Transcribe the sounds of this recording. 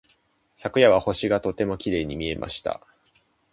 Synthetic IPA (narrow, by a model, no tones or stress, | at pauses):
sakɯ̟jaβaho̞ɕiɡat̪o̞t̪e̞mo̞kʲiɾe̞ːɲ̟imʲie̞mʔa̰ɕi̥t̪a̰